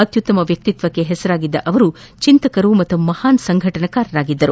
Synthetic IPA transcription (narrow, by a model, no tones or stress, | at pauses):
ɐt̪jut̪ːɐmɐʋjɐk̚t̪it̪ʋɐkːe̞ɦɛsɐɾaːɡid̪ːɐʔɐʋɐɾu | t͡ʃint̪ɐkɐɾumɐt̪ːumɐhaːnsɐŋɡʱɐʈɐnɐkaːɾɐɾaːɡid̪ːɐɾu